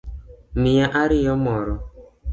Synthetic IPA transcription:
mijaʔaɾɪjɔmɔɾʊ

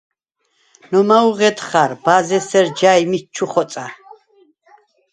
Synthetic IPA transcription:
nɔmauʁɛd̪χaɾbazɛsɛɾd͡ʒajmit͡ʃʰuχɔsʼa

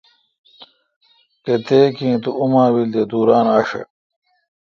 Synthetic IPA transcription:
t̪et̪eːkĩːt̪uumãːwild̪ed̪uːɾaːnaːʂɐ̰

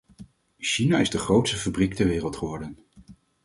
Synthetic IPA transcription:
ʃinaɪzdəχrowtstəfabrik̚tɛɹʋɪːrəlˠtχəʋɔɹdən

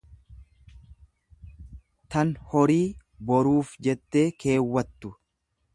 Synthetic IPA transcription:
t̪ɐnhɔɾiː | bɔɾuːfd͡ʒɛt̪ːe̞ːke̞ːwːɐt̪ːʊ

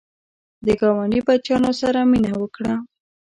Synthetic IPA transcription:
d̪əɡɑwaɳɖibat͡ʃɑnosaɾaminawəkɽa

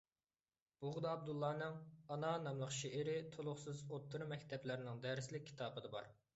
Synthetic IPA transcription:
b̥uʁd̪ɑːb̚d̪ulˠːɑːnɨŋɑnɑnɑmlˠəχʃeʔɪɾɪt̪ʰolˠʊχsɨzot̪ʰːuɾmɛkʲt̪ʰɛplɪɾɪnɪŋd̪æɾslɪkʲʰːi̥t̪ʰɑːbɨd̪ɨbɑ̰ɾ

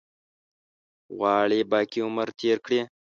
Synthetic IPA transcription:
ɣɑːɭebɑːkiʊməɾt̪ʰeːɾkɽi

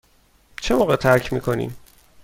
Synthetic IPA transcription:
t͡ʃʰemoːɣet̪ʰæɾcʰmḭːkʰo̞nḭːm

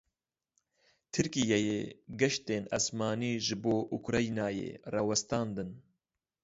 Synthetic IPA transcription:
t̪ʰɨɾkijejḛːɡɛʃt̪eːna̰smɑːniːʒɨboːʔukɾɑjnaːjḛːrɑːwɛst̪ɑːnd̪ɨn

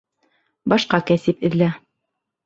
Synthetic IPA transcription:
bɑʃqɑkæsɘpɘ̆ðlæ

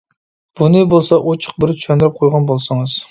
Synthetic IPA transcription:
b̥unɨbolˠsɑʔot͡ʃʰə̥q̚bɪɾt͡ʃ̪ʰy̥ʃɛnd̪ɪɾɪp̚qʰojʁɑnbolˠsɨŋɨz̥

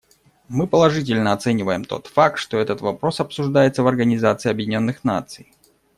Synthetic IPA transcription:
mɨpəlˠɐʐɨtʲɪlʲnəɐt̪sɛnʲɪvəjɪmt̪o̞̰t̪fak̚t̪ʂt̪o̞ɛt̪ət̪vɐpɾo̞sɐpsʊʐd̪ajɪt̪səvɐrɡənʲɪzat̪sɨɪɐbjɪdʲɪnʲo̞nːɨxna̰t̪sɨj

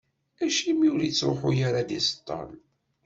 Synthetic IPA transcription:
æʃimiuɾjit͡sːɾoħujaɾad̪ist̪ˤːɑ̰n

